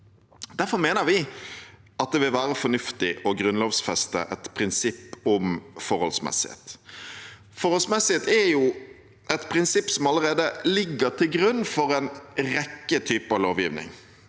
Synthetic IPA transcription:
d̪̥æɾfɔɾmeːnəʋɪ | ɑt̪̚d̪ɛʋɪlʋæːɾəfɔnʉft̪ɪʔɔɡɾʉnloːʋsfɛst̪ə̰ʔɛt̪pʰɾɪnsɪpːɔmfɔɾhɔ̰lsmɛ̰sɪhḛːt̪ | fɔɾhɔlsmɛsɪheːt̪ɛɾjʊ | ɛt̪pʰɾɪnsɪpːsɔmɑlːəʁeːd̪əlɪɡːəɾt̪ʰɪlɡɾʉnːfɔɾɛnɾɛkːət̪ʰyːpəɑʋloːʋjḭːʋnɪ̰ŋ

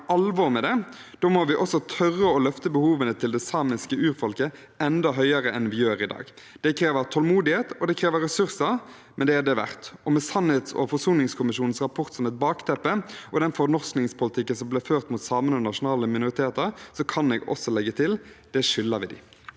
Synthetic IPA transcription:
ʔɑlʋɔmɛd̪ɛ | d̪̥oːmɔʋɪʔɔsɔt̪ʰœrːəɔlœft̪əbəhuːʋənət̪ʰɪld̪ɛsɑːmɪskəʉːɾfɔlkə | ɛnd̪ɑɦœʏəɾəʔɛnʋɪjøːɾɪd̪ɑ̰ːɡ | d̪̥ɛkʰɾeːʋəɾt̪ʰɔlmuːd̪ɪheːt̪ɔd̪ɛkʰɾeːʋəɾɛsʉɾsɑ | mɛnd̪ɛæd̪ɛʋæ̰ʁt̪ɔmɛsɑnɪt̪sɔ̰fɔʁsuːnɪŋskʰʊmɪʃuːnn̩sʁɑpʰɔʁt̪sɔmɛt̪̚bɑːkt̪ʰɛpːəɔd̪ɛnfɔɾnɔʁsknɪŋspʰʊlɪt̪ʰɪkːənsɔmblɛːføːʁt̪muːt̪sɑːmənɔnɑʂʊnɑːləmɪnʊʁɪt̪ʰeːt̪əɾsɔkʰɑnɛːɡɔ̰sɔlɛɡːət̪ʰɪld̪̥ɛʂʏlːəʋɪd̪ɪ̰

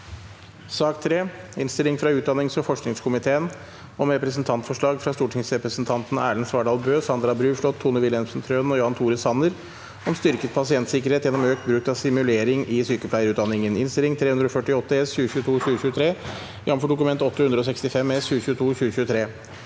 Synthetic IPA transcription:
sɑːkt̪ʰɾeːɪnst̪ɪlɪŋfɾɑʉːt̪d̪ɑnːɪŋsɔfɔʂknɪŋskʰʊmɪt̪ʰeːən | ɔmɾɛpɾəsn̩t̪ʰɑnt̪fɔʂɭɑːɡfɾɑst̪uːʈʰɪŋsɾɛpɾəsnt̪ʰɑnt̪n̩æ̰ːɭən̩sʋɑːɖɑːlbøːsɑnd̪ɾɑbɾʉːʂɭɔt̪ʰːuːnəʋɪlənsn̩t̪ʰɾøːnɔjoːɑnt̪ʰuːɾəsɑnəɾ | ɔmst̪ʏɾkət̪̚pʰɑsɪɛnt̪sɪkəɾheːt̪jɛnɔmøːkt̪bɾʉkt̪ɑʋsɪmʉleːɾɪŋɪsyːkəpʰlæɪəɾʉːt̪d̪ɑnːɪŋənɪ̰nst̪ɪlɪŋt̪ʰɾeːʉnd̪ɾɔfœʈɪɔt̪ːəɛsçʉːəçʉːət̪ʰuːɕʉːəɕʉːət̪ʰɾeː | jɑmfɔɖʊkʉmɛnt̪ɔt̪ːəhʉnd̪ɾəɔsɛkst̪ɪfɛmːɛsçʉːəçʉːət̪ʰuːɕʉːəçʉːət̪ʰɾeː

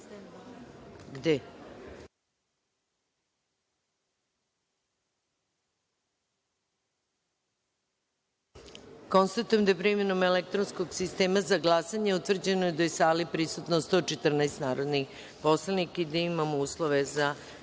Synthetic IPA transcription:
ɡd̪e | ko̞nst̪at̪ujemd̪aepɾimenomelek̚t̪ɾonsko̞ɡsist̪e̞ːmazaɡlˠasaɲeut̪vr̩d͡ʑe̞nojed̪ajesaːlipɾisut̪nost̪o̞t͡ʃet̪r̩naest̪naːɾo̞d̪nix | poslˠanikid̪aimamouːslˠoʋe̞za

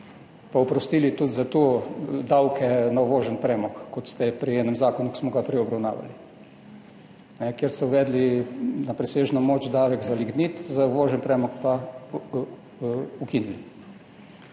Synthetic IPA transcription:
paupɾɔst̪iːlit̪ud̪zat̪od̪awkʰɛnauʋoːʒənpɾɛːmɔkːɔt̪st̪ɛpɾiɛːnɛmzaːkɔnuki̥smɔɡapɾɛɔbɾawna̰ːʋa̰li | nɛkeɾst̪ɛʊʋɛːd̪linapɾɛseːʒnomoːt͡ʃd̪aːʋɛɡzaliɡniːt̪zauʋoːʒɛnpɾɛːmɔkpa | ukinili

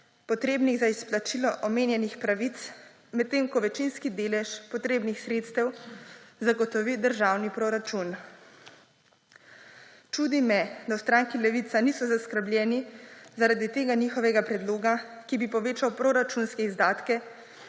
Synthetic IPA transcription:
pɔt̪ɾeːbniɣzaisplat͡ʃilɔʔɔmeːnjɛnixpɾaʋit̪s | mɛt̪ːeːmkɔʋɛt͡ʃinskid̪eːlɛʃpɔt̪ɾeːbnixsɾeːt̪st̪ɛw | zaɡɔt̪ɔʋid̪əɾʒaːwnipɾoɾat͡ʃun | t͡ʃuːd̪imːɛd̪awst̪ɾaŋkilɛʋit̪sanisɔzaskəɾblʲjɛːnizaɾad̪it̪eːɡanixɔʋɛɡapɾɛd̪loːɡakibipɔʋeːt͡ʃawpɾoɾat͡ʃunskɛizd̪aːt̪kɛ

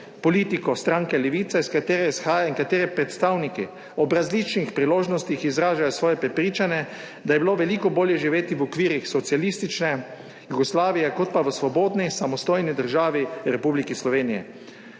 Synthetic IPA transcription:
pɔliːt̪ikɔst̪ɾaŋkɛlɛʋiːt̪saiskat̪eːɾɛisxaːjaiŋkat̪eːɾɛpɾɛt̪st̪aːwniki | ɔbɾazlit͡ʃnixpɾiloːʒnɔst̪ixizɾaːʒajɔsʋɔːjɛpɾɛpɾiːt͡ʃanjɛ | d̪ajɛbiloʋɛliːkɔboːljɛʒiʋeːt̪iʋɔkʋiːɾixsɔt̪sialist̪it͡ʃnɛ | juɡɔslaːʋijɛkɔt̪̚paʋəsʋɔboːd̪nisamɔst̪oːjnid̪əɾʒaːʋiɾɛpublikislɔʋeːnijɛ̰

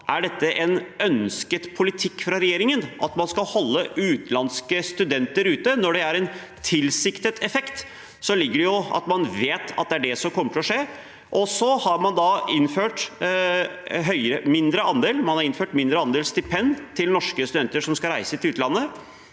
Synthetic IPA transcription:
ʔæɖɛt̪ːəʔɛnœnskət̪pʰʊlɪt̪ʰɪkːfɾɑɾɛjeːɾɪŋənʔɑt̪mɑnskɑlhɔlːəʉːt̪lɑnskəst̪ʉd̪ɛnt̪əɾʉːt̪ənɔɖɛæɾɛn | t̪ʰɪlsɪkt̪ət̪ʰɛfɛkt̪ | sɔlɪɡːəɖɛjʊɑ̰t̪mɑnʋeːt̪ʰɑ̰t̪̚d̪ɛæɖɛsɔmkʰɔmːəʈ̪ʰɪlɔʂeː | ʔɔsɔhɑɾmɑnd̪ɑɪnføːʈ | ɦœʏəɾəmɪnd̪ɾəʔɑnd̪eːlmɑnhɑɾɪnføːʈmɪnd̪ɾəɑnd̪eːlst̪ɪpʰɛnt̪ʰɪlnɔʂkəst̪ʉd̪ɛnt̪əʂɔmskɑɾæɪsət̪ɪlʉːt̪əlɑnːə

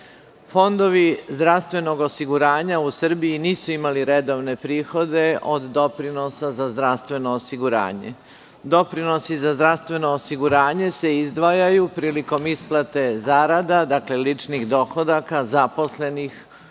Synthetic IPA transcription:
fo̞nd̪o̞ʋizd̪ɾaʋst̪ʋe̞no̞ɡosiɡuɾaːɲausr̩biːniːsuimaliɾed̪o̞ʋne̞pɾiːxo̞d̪e̞ʔod̪ːo̞pɾino̞sazazd̪ɾaʋst̪ʋe̞noːsiɡuɾa̰ːɲḛ | d̪o̞pɾino̞sizazd̪ɾast̪ʋe̞no̞ːsiɡuɾaːɲe̞se̞izd̪ʋajajupɾiːliko̞misplˠat̪e̞zaɾad̪ad̪aklelit͡ʃnixd̪o̞xo̞d̪akazapo̞sle̞nix

